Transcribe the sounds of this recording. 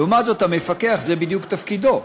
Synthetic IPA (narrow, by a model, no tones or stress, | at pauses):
umazo̞t̪hamefakeaχzebid̪jukt̪afkid̪o̞